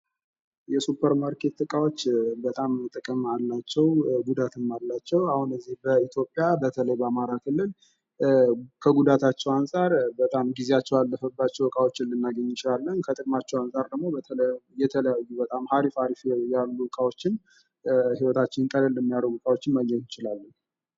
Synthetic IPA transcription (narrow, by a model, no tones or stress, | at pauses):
jɛsupʰəɾmaɾkʰe̞t̪t̪ʼɨkʼawot͡ʃːbət̪ʼamt̪ʼɨkʼɨmalːat͡ʃːɛwɡud̪at̪ɨmːalːat͡ʃːɛwahunɨzːihbəit̪ʰjo̞pʼːjabət̪ʰələjbəamaɾakʰɨlːɨl | kʰəɡud̪at̪ʰat͡ʃːɛwansʼaɾbət̪ʼamɡizejat͡ʃːɛwalːəfəbːat͡ʃːɛwɨkʼawo̞t͡ʃːɪɨlːɨnːaɡəɲːɪt͡ʃɪlalːənkʰət̪ʼɨkʼmat͡ʃːɛwansʼaɾd̪əɡmo̞bət̪ʰələjɛt̪ʰələjajːubət̪ʼamhaɾifaɾifjalːuɨkʼawo̞t͡ʃːɪn | hiwɔt̪ʰat͡ʃːɪnt̪ʼələlːəmːijaɾəɨkʼawot͡ʃːɪnməɲːɛt̪jɪt͡ʃɪlalːən